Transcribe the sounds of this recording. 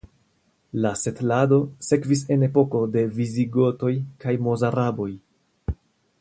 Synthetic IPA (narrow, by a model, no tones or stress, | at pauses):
lase̞tlado̞se̞kvis̬e̞ne̞po̞ko̞de̞viziɡo̞to̞jkajmo̞zaɾabo̞j